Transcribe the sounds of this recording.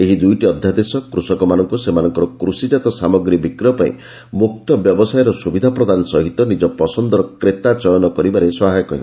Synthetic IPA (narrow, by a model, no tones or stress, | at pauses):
eɦid̪ujʈiɔd̪ʱjad̪esɔkɾusɔkɔmanɔŋkusemanɔŋkɔɾɔkɾusid͡ʒat̪ɔsamɔɡɾibikɾɔpaḭ̃ | muk̚t̪ɔbjɔbɔsajɔɾɔsubid̪ʱapɾɔd̪anɔsɔɦit̪ɔnid͡ʒɔpɔsɔnd̪ɔɾɔkɾet̪at͡ʃɔjɔnɔkɔɾibaɾesɔɦajɔkɔɦi